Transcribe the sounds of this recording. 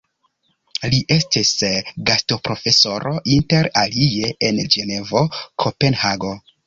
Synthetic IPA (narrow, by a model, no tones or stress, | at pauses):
liʔe̞stisɡasto̞pɾo̞fe̞so̞ɾʔo̞ʔinte̞ɾalie̞ʔend͡ʒe̞ne̞vo̞kʰope̞nhaɡo̞